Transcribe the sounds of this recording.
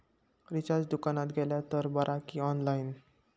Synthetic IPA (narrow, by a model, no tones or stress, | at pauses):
ɾit͡ɕaɾd͡ʑd̪ukanat̪ɡʱɛljat̪əɾbəɾʔakiɔnlain